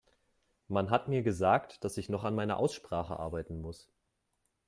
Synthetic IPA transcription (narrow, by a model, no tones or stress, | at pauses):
manɦatmiːɐɡəzaːktd̥asɪçnɔχanmaɪnɐ̰ʔa̰ʊsʃpʁ̥aːχə̰ʔa̰ɐbaɪtn̩mʊs